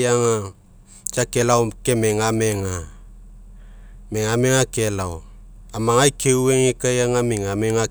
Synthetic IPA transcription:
aŋa | t͡ʃakelawkemeŋameŋa | meŋameŋakelawamaŋajkeweŋekajaŋamiŋameŋa

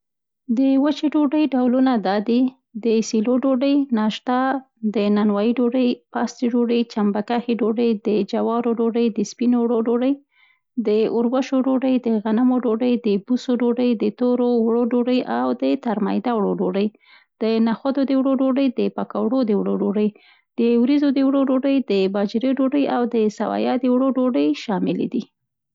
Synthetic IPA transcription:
d̪əwət͡ʃeɖoɖəjɖawlunad̪ɑd̪i | d̪əsiloɖoɖəjnɑʃt̪a | d̪ənanwɑjiɖoɖəjpɑst̪iɖoɖəjt͡ʃambakaxiɖoɖəjd̪əd͡ʒawɑɾoɖoɖəjd̪əspinowɽoɖoɖəj | d̪əʊɾwaʃoɖoɖəjd̪əɣanamoɖoɖəjd̪əbusoɖoɖəjd̪ət̪oɾowɽoɖoɽəjʔawd̪ət̪aɾma̰jd̪awɽoɖoɽəj | d̪̥ənaxad̪od̪əwɽoɖoɖəjd̪əpakawɽod̪əwɽoɖoɽəj | d̪̥əwɾizod̪əwɽoɖoɽəjd̪əbɑd͡ʒɾeɖoɖəjawd̪əsawɑ̰jɑd̪əwɽoɖoɖəjʃɑmɪlḛd̪i

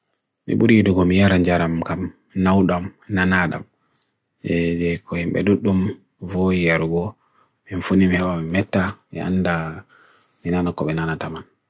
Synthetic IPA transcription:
mḭɓuɾiduɡɔmijaɾaɲd͡ʒaɾamkam | nawɗamnanaɗa̰m | jɛd͡ʒɛkɔhimɓɛ̰duɗːum | vojijaɾuɡɔ | minfunimihɛɓamimɛtːamḭʔa̰nːda | minanakɔɓɛnanataman

